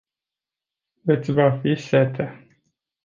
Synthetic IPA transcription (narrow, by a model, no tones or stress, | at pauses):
vet̪sʲvafiset̪ʰe